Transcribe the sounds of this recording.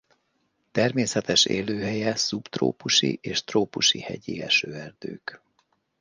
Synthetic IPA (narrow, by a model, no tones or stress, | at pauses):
t̪ɛrmeːsɛt̪ɛʃḛːløːɦɛjɛsupt̪ro̰ːpuʃḭʔeːʃt̪roːpuʃihɛ̰ɟiɛ̰ʃøːɛrd̪̥øːk